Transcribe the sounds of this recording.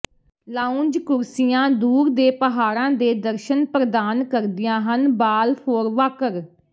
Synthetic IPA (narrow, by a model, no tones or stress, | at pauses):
laːʊ̃nd͡ʒkʊɾsɪjãːd̪uːɾd̪eːpəɦaːɾãːd̪eːd̪əɾʃənpɾəd̪aːnkəɾd̪ɪjãːɦənbaːlpʰoːɾʋaːkəɾ